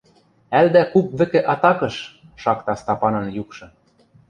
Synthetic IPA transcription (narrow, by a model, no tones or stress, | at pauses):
æld̪ækup̚βɘ̆kĕʔɑt̪ɑkɤ̆ʃ | ʃɑkt̪ɑst̪ɑpɑnɤ̆njukʃɤ̆